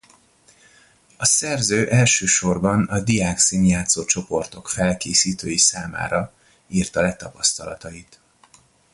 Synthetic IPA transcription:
ɒsɛrzøːʔɛlʃøːʃo̞rbɒnɒd̪ijaːksiːnjaːt̪soːt͡ʃo̞po̞rt̪o̞kfɛlkeːsiːt̪øːjisaːma̰ːɾɒ | iːrt̪ɒlɛt̪ɒpɒst̪ɒlɒt̪ɒit̪

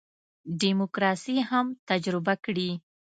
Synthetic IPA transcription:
ɖimokɾɑsihamt̪ad͡ʒɾɪbakɽi

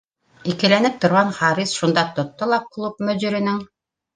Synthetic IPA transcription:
ikɘ̆lænɘp̚t̪ŏɾʁɑnχɑɾisʃund̪ɑt̪ŏt̪ːolˠɑqklˠup̚mɵ̆ʑɘ̆ɾɘ̆nɘŋ

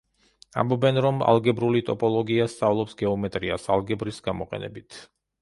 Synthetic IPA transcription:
a̰mbɔbɛnɾɔma̰lˠɡɛbɾulit̪ʼɔpʼɔlˠɔɡiast̪sʼavlˠɔpsɡɛɔmɛt̪ʼɾiasalˠɡɛbɾisɡamɔqʼɛ̰nɛ̰bit̪ʰ

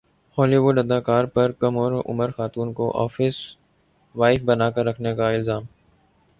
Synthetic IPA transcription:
hɔːliːʋʊɖɐd̪aːkaːɾpɐɾkɐmɔːɾʊ̰məɾxaːt̪uːnkoʔɔ̰ːfɪs | ʋaːɪfbɐnaːkɐɾːɐkʰnekaɪlzaːm

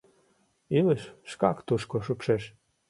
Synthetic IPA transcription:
ilɘʃːkɑkt̪uʃkoʃupʃeʃ

